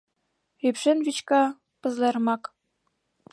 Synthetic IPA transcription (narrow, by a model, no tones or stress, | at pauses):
ypʃenvit͡ɕkɑ | pɤ̆zlermɑk